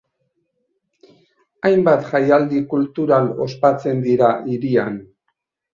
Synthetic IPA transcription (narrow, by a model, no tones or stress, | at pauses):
ajmbat̪xajald̪ikult̪uɾalo̞spat͡se̞nd̪iɾaʔiɾian